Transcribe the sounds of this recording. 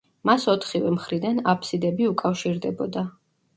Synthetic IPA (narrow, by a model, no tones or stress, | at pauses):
masɔt̪ʰχivɛmχɾid̪anapʰsid̪ɛbiukʼafʃiɾd̪ɛbɔd̪a